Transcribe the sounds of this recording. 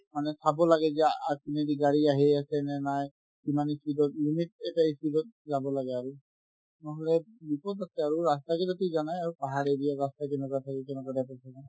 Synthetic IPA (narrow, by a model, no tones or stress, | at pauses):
manɛsʰabɔlaɡɛziaakinɛdiɡaɹiaɦeasɛnɛnaj | kimanisidɔt̚limit̚ɛtaisidɔt̚zabɔlaɡɛaɹu | nɔɦɔlɛbipɔtasɛaɹuɹastakɛzatizanajaɹupaɦaɾediaɹastakɛnɛkatʰakɛkɛnɛkadapasʰana